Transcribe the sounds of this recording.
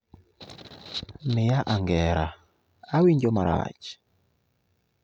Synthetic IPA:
mɪjaʔaŋɡɛɾa | awiɲd͡ʒɔmaɾa̰t͡ʃ

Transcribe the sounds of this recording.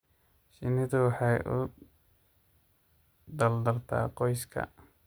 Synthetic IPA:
ʃɪnɪðʊwɑħɑjʔʊ̰ | d̪ɐld̪ɐrt̪ʰa̰ːqɔjskʰɐ̰

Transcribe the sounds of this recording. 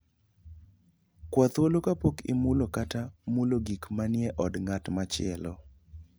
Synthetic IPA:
kwat̪wolokapokɪ̰mulokatamuloɡikmanɪɛʔɔdŋatmat͡ʃɪɛ̰lɔ

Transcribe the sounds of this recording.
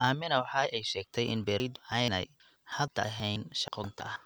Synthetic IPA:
ʔaːmɪnɐwɑħɑːʔɛjʃɛːɡ̚t̪ʰɛjʔɪ̰nbɛid̪ʕɛjnɛ̰j | ħɑd̪ʰɐ̰ɦɛjnʃɑqɔːnt̪ʰɐ̰ʔɐh

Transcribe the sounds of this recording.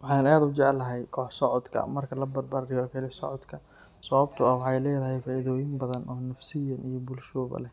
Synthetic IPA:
wɑħɑːnɐaːðʊt͡ʃɛʕɛlːɐɦɛjkʰɔːħsɔʕɔd̪kʰɐ̰mɐrkʰɐlɐbɐrbaːɾɪjɔːkʰɐlɪħsɔ̰ʕɔd̪kʰɐ | sɐβɐbt̪ʰʊɐwɑħɑjlɛːðɐɦɛjfaːʔɪðɔːjɪmbɐðɐnʔɔːnɐfsɪjɐnijɔbʊlʃɔːβɐ̰lɛ

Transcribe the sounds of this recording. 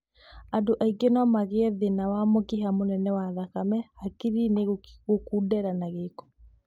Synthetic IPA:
adoʔaiɡenɔmaɣeɛðenawamokehamonɛnɛwaðakamɛhakiɾineɣoɣokudɛɾanaɣekɔ̥

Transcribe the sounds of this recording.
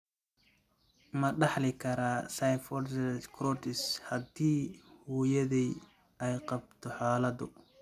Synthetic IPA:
mɐɖɑħlɪkʰɐɾaːsajfɔrdɛkʰɾɔt̪ʰɪshɐd̪iːhuːjɐðij | ɛjqɑb̚t̪ʰɔħɑːlɐd̪ʊ̰

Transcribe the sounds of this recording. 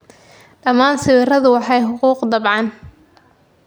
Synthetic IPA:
ɖɐmːaːnsɪwɪrɐðʊwɑħɑjħʊquːqd̪ɐbʕɑn

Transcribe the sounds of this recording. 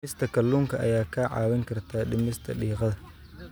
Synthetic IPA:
ɪst̪ʰɐkʰɐlːuːŋkʰɐɐ̰jaːkʰaːʕɑ̰ːwɐŋkʰɐrt̪ʰaːɗɪmɪst̪ʰɐ̰ɗiːqɑðɐ

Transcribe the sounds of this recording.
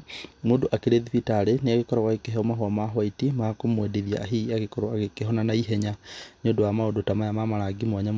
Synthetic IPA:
mondoʔakeɾeðifitaɾeneaɣekɔɾɔwaɣekeɦɛɔmaɦwamaɦwaitimakomwɛdiðia̰ɦiaɣekɔɾoaɣekeɦɔnanaiɦɛɲaneodowamaodotamajamamaɾaɡimwaɲa

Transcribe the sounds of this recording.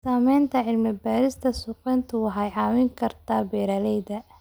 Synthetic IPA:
saːmɛjnt̪ʰɐʕɪlmɪbaːɾɪst̪ʰɐsʊqɛːnt̪ʰʊwɦɐjʕɑːwɪŋkʰɐrt̪ʰabɛːɾɐlɛjðɐ

